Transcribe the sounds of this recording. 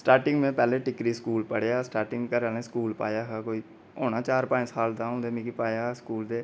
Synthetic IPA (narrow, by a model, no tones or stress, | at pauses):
sʈaːɾʈɪŋɡmẽːpɛːlẽːʈɪkɾiːskuːlpəɽeaːsʈaːɾʈɪ̃ŋɡkəɾaːnẽːskuːlpa̰ːjaːɦaːkoːiː | oːnaːt͡ʃaːɾpãːɪsaːld̪ãːɦõːnd̪eːmĩːkipaːjaːskuːld̪eː